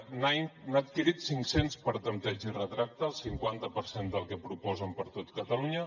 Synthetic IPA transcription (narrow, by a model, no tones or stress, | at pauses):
nainat̪kiɾit̪siŋksenspəɾt̪ənt̪ɛd͡ʒirət̪ɾak̚t̪əːlˠsiŋkwant̪əpəɾsend̪əlˠkəpɾupɔzəmpəɾt̪ot̪kət̪əluɲə